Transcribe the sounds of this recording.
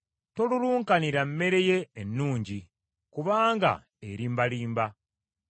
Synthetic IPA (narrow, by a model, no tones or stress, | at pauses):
to̞luluːŋkaniɾamːe̞ɾe̞je̞ːnːuːɲɟi | kuβaːŋɡa̰ | eɾiːmbaliːmba